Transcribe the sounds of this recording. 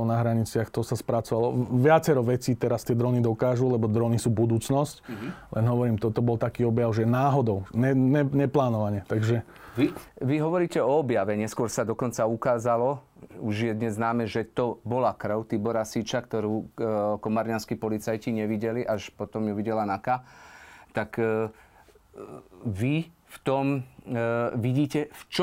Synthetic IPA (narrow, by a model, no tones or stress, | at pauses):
naɦɾaɲit͡sɪaxt̪ɔsaspɾat͡sɔʋalɔʋɪat͡sɛɾɔʋɛt͡siːt̪ɛɾast̪ɪɛd̪ɾɔnid̪ɔkaːʒulɛbɔd̪ɾɔnisuːbud̪uːt͡snɔsclʔɛnɦɔʋɔɾiːmt̪ɔt̪ɔbɔlt̪akiːɔbjaʊʒɛnaːɦɔd̪ɔʊɲɛnɛɲɛplaːnɔʋaɲɛt̪aɡʒɛ | ʋiɦɔʋɔɾiːcɛɔɔbjaʋɛɲɛskʊɔɾsad̪ɔkɔnt͡saukaːzalɔuʒjɛd̪ɲɛzːnaːmɛʒɛt̪ɔbɔlakɾəʊt̪ibɔɾasiːt͡ʃakt̪ɔɾuːkɔmaɾɲanskipɔlit͡sajciɲɛʋiɟɛliʔaʃpɔt̪ɔmjuʋiɟɛlanaka | t̪ak | ʋift̪ɔm | ʋiɟiːcɛft͡ʃ